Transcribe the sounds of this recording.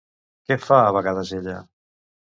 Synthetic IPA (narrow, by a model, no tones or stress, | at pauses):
kɛfaːβaɣaðazeʎa̰